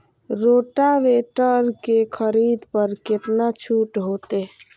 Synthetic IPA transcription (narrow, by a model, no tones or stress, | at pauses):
ɾoːʈaʋeʈəɾkekʰəɾid̪pəɾket̪nat͡ʃʰuʈɦot̪e